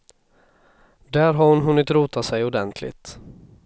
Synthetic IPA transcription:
d̪æːɾɦaɾhʊnɦɵnːɪt̪ɾuːt̪asɛjʊd̪ɛnt̪ʰlɪ̰t̪

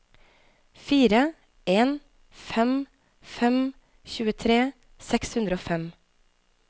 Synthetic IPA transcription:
fiːɾə | eːn | fɛm | fɛm | çʉːət̪ʰɾeː | sɛkshʉnd̪ɾəoːfɛm

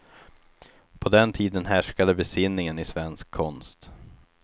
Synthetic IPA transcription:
pʰɔd̪ɛnt̪ʰiːd̪ənɦæʂkad̪əbɛsɪnːɪŋənɪsvɛnskʰːɔnst̪

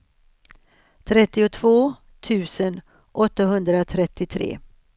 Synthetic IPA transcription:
t̪ʰɾɛt̪ːɪʊt̪ʰvoː | t̪ʰʉ̟ːsən | ʔɔt̪ːaɦɵnd̪ɾat̪ʰɾɛt̪ːɪt̪ʰɾḛː

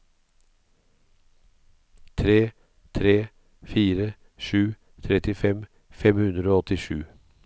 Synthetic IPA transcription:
t̪ʰɾeː | t̪ʰɾeː | fiːɾə | ʃʉː | t̪ʰɾɛt̪ɪfɛm | fɛmhʉnɾəoːɔt̪ɪʃʉː

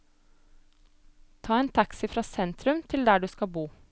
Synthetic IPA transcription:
t̪ʰɑːeːnt̪ʰɑksɪfɾɑːsɛnt̪ɾʉmt̪ʰɪld̪æːɖʉːskɑbuː

